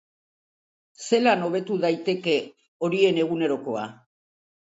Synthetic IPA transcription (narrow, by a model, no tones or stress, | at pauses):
se̞lano̞β̞e̞t̪uðajt̪e̞ke̞ | o̞ɾie̞ne̞ɣ̞une̞ɾo̞ko̞a